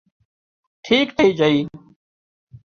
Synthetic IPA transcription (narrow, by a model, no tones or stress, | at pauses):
ʈʰiːkʈ̪ʰəiːd͡ʒəiː